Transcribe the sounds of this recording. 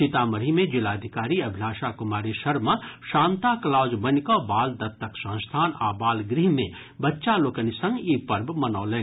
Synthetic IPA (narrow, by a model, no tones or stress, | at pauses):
sit̪aməɾimẽd͡ʒilaːd̪ʱikaːɾiɐbʱilaːʃakʊmaːɾiʃɐɾmaʃaːnt̪akɐlaːd͡ʒbɐnkɔ̃baːld̪ɐt̪ːɐksɐ̃nst̪ʰaːna̰ːbaːlɡɾiɦmẽ | bɐtːʃaloːkənisə̃ŋɡipɐɾbmɐnaːlẽː